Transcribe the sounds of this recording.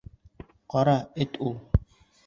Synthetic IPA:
qɔɾaetʼʊ

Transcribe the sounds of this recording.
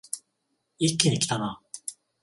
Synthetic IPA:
ikʲːiɲikʲi̥t̪ana

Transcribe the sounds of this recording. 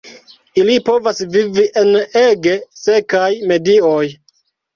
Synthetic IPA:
ilipo̞vasviviʔe̞ne̞ɡe̞se̞kajme̞dioj

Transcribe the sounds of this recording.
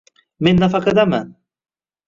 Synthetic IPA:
mɪnːafakad̪aman

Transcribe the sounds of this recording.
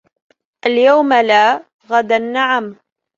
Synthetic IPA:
ʔaljawmalaː | ɣad̪anːaʕam

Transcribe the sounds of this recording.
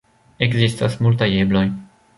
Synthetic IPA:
eɡzist̪asmultajebloj

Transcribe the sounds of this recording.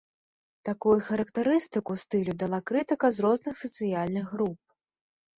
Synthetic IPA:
t̪akujuxɐɾɐkt̪aɾɨst̪ɨkust̪ɨlʲud̪alˠakɾɨt̪ɨkɐzɾɔznɨxsɐt̪sɨjalʲnɨɣːɾup̚

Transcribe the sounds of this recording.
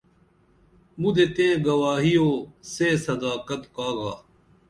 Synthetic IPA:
mud̪et̪ẽːɡɐʋaːɦijoːseːsɐd̪aːkɐt̪kaːɡaː

